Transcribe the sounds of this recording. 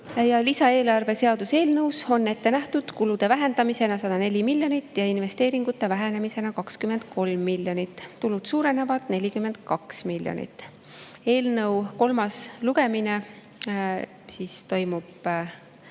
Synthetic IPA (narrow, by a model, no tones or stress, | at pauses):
jɑlisɑe̞ːlɑrve̞se̞ɑd̪̥use̞ːlnɤwso̞nːe̞t̪ːe̞næht̪ud̪̥kulud̪̥e̞væɦe̞nd̪ɑmise̞nɑsɑd̪̥ɑne̞lʲimilʲjo̞nit̪ːˑjɑinve̞st̪e̞ːɾiŋɡut̪ːˑe̞væɦe̞ne̞mise̞nɑkɑkskyme̞nd̪̥̚kʰo̞lmːilʲjo̞nit̪ˑːulud̪̥suːɾe̞ne̞vɑt̪ne̞lʲikyme̞nd̪̥̚kɑksmilʲjo̰nḭt̪ːˑ | e̞ːlnɤwko̞lmɑsluɡ̥e̞mine̞ | sist̪o̞jmub̥